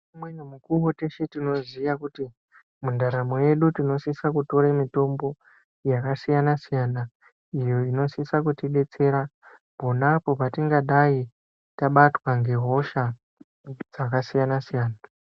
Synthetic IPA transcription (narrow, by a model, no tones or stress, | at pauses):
umwenemukuwote̞ʃetino̞zijakuti | mundaɾamoje̞ɗutino̞sisakuto̞ɾemito̞mbo̞ | jakasijanasijana | ijo̞ino̞sisakutiɓe̞t͡se̞ɾa | po̞napo̞patiŋɡaɗai | taɓatwaŋɡe̞ɦo̞ʃa | d͡zakasijanasijaːna